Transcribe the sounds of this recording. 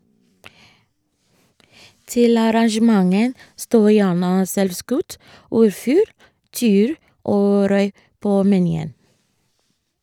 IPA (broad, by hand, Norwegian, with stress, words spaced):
ˈtɪl ɑɾɑŋʃəˈmɑŋən ˈstoː ˈjæːɳə ˈsɛlʋˌskʉt ˈɔɾˌfʉːl ˈtiːʉːɾ ˈʔoː ˈɾœʏ ˈpoː mɛˈnyːən